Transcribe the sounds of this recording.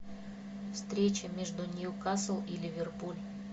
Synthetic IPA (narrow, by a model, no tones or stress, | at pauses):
fst̪ɾʲet͡ɕəmʲeʐd̪unʲijukasəlˠilʲɪvʲɪrpulʲ